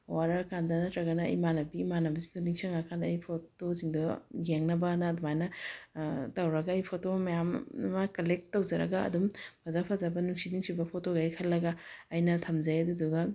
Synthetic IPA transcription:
waɾɐɐkandɐnɐtɾɐɡɐnɐɐ̰jmanɐbimanɐbisi̥tunisʰɐŋakʰanɐjpʰotoziŋdujeŋnɐbɐnɐdumajnɐ | tɐwɾɐɡɐːjpʰotomɐjammɐkɐlek̚tːɐwd͡ʒɐɾɐ̰ɡɐɐ̰dumpʰɐzapʰɐzɐbɐnuŋsidiŋsibɐpʰotoɡɐjkʰɐlːɐɡɐːjnɐtʰɐmd͡ʒajɐduduɡɐ

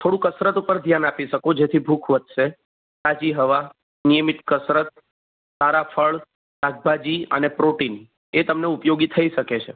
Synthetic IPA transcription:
t̪ʰoɽũkəsɾət̪upəɾd̪ʱjanapiʃəkod͡ʒet̪ʰibʱukʰʋət̪ʃe | sad͡ʒiɦəʋa | nijəmit̪kəsɾət̪̚ | saɾafʰəɭ | t̪aɡ̚bad͡ʒiə̰nepɾoʈin | et̪əmneupjoɡit̪ʰəiʃəket͡ʃʰe

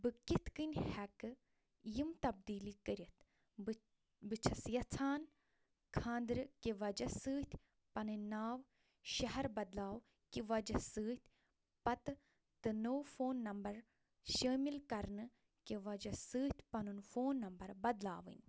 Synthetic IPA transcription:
bɨkit̪kɨnʲhɛkɨ | jimt̪ɐb̚d̪iːlikəɾʲɐt̪ | bɨt͡ʃʰɐsjɐt͡sʰaːn | kʰãːnd̪ɾɨkiʋɐd͡ʒɐsɨːt̪ʰʲ | pɐnɨnaːw | ʃɐɦɐɾbɐd̪laːw | kiʋɐd͡ʒɐsɨːt̪ʲʰ | pɐt̪ɨ | t̪ɨnowfoːnːɐmbɐɾ | ʃɐːmilkɐɾnɨ | keʋɐd͡ʒɐsɨːt̪ʲpɐnunfoːnːɐmbɐɾbɐd̪laːʋɨ̰nʲ

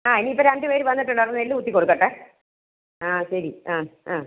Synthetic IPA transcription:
aːiniipːoɾaɳɖɨʋeːɾɨʋɐnːiʈːuɳɖɐrnelːɨut̪ːikːoɽukːɐʈːe | aːɕɐɾiaːaː

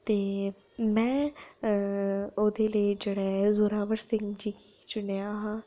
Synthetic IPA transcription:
t̪e | mɛ̃ | od̪eled͡ʒeɽezuːɾaːʋəɾsɪ̃ŋɡd͡ʒiːki | d͡ʒʊneaɦã

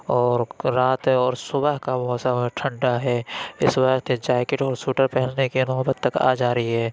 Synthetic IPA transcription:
ɔːɾɾaːt̪ɔːɾsʊbəɦkabɦt̪saʈʰə̃ɳɖaɦɛːɪswəkt̪ed͡ʒaːkɪʈɔːɾsuːʈəɾpɛɦɛlnekinɔːbət̪t̪əka̰ːd͡ʒaːɾəɦiɦɛː

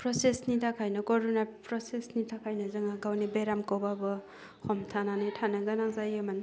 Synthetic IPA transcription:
pɾosesnitʰakʰajnɐkɔɾunapɾɔsesnitʰakʰajnazɯŋaɡawnibeɾamkowbabɯ | hʰɔmtʰananɯjtʰanɯɡanaŋzajeman

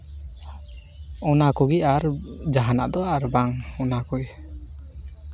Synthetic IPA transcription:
ɔnakɔɡiaɾd͡ʒaɦana̰ʔd̪ɔaɾbaŋɔnakɔɡi

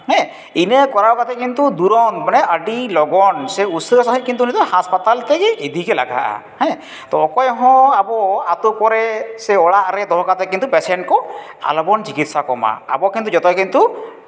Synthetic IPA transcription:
ɦɛ̃ | inekɔɾakat̪ɛkint̪ud̪uɾɔnmanɛəɖilɔɡɔnsɛusɔɾɔsaɦikint̪unit̪ɔhaspat̪alt̪ɛɡiid̪ʱikɛla̰ɡa̰ʔa̰ | hɛ̃ | t̪ɔkɔjɦɔ̃abɔat̪upɔɾɛsɛɔɽaʔɾɛt̪ɔɦɔkat̪ɛkint̪upɛsɛɳʈ̚kɔ | a̰lɔbɔnt͡ʃikit̪sakɔma̰a̰bɔkint̪ud͡ʒɔt̪ɛkint̪u

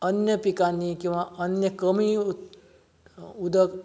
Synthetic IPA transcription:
ənjəpikanikĩw̃ʋaʔənjəkəmi | ud̪ək

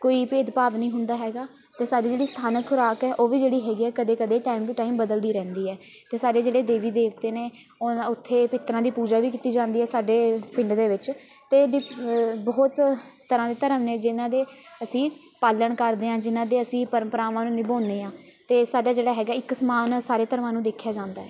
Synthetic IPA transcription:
koːiːpeːd̪paːʋnəĩːɦʊnd̪aːɦɛːɡaː | t̪eːsaːɖiːd͡ʒeːɽiːst̪ʰaːnəkʰːʊɾaːkɛːʔoːʋiːd͡ʒeːɽiːɦɛːɡiːɛːkəd̪eːkəd̪eːʈaːimd̪iːʈaːimbəd̪əld̪iːɾɛ̃ːnd̪iːɛː | t̪eːsaːɖeːd͡ʒeːɽeːd̪eːʋiːd̪eːʋt̪eːneː | ʊt̪ʰːeːpɪt̪ɾãːd̪iːpuːd͡ʒaːʋiːkiːt̪iːd͡ʒãːnd̪iːɛːsaːɖeːpɪ̃ɳɖd̪eːʋɪt͡ʃ | t̪eːɖɪbɔːt̪t̪ːəɾãːd̪eːt̪əɾəmneːd͡ʒɪnãːd̪eːəsĩː | paːləɳkəɾd̪eːãːd͡ʒɪnãːd̪eːəsĩːpəɾəmpəɾaːʋãːnũːnɪbõːnd̪eːãː | t̪eːsaːɖaːd͡ʒeːɽaːɦɛːɡaːɪksəmaːnsaːɾeːt̪əɾʋãːnũːd̪eːkʰjaːd͡ʒãːnd̪aːɦɛː

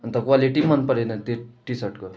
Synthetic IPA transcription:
ɐnt̪əkʋaliʈimənpəɾenat̪iʈisəʈkə

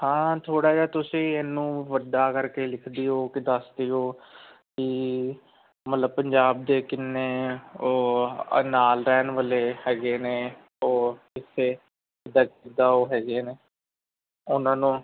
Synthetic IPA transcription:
hãːt̪ʰoːɽaːd͡ʒaːt̪ʊsĩːɛːnːũːʋəɖaːkəɾkeːlɪkʰd̪iːɦoːkɪd̪əsd̪iːɦoː | kɪ | mət̪ləbpəɲd͡ʒaːb̚d̪eːkɪnːeːoːnaːlɾɛːnʋəleːhɛːɡeːneː | oː | ɪseː | ɪd̪aːkɪd̪aːoːɦɛːɡeːneː | ʊnãːnũː

